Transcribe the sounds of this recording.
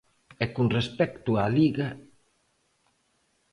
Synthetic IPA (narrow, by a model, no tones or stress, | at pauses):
ɛkunrespɛkt̪ualiɣa